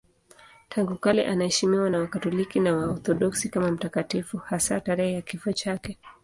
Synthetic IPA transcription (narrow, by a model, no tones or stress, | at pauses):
tʰaŋɡukalɛ̰ʔanahɛʃimiwanawakatɔlikinawaɔθɔɗɔksikamam̩takatifuhasataɾɛhɛjakifɔt͡ʃakɛ